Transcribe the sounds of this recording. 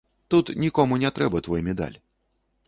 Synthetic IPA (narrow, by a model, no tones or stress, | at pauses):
t̪ut̪nʲikɔmunʲɛt̪ɾɛbɐt̪vɔjmʲɛd̪a̰lʲ